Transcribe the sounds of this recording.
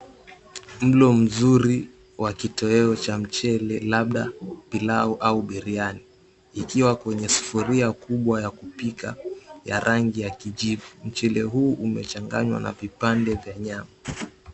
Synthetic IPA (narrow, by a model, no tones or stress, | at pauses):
m̩lɔm̩zuɾi | wakitɔɛɔt͡ʃam̩t͡ʃɛlɛlaɓɗapilaɔʔauɓiɾianiː | kiwakwɛɲɛsu̥fuɾiakuɓwajakupika̰jaɾʔaŋɡijakiʄivum̩t͡ʃɛlɛɦuːʔumɛt͡ʃaŋɡa̰ɲwa̰na̰vipandɛvjaɲama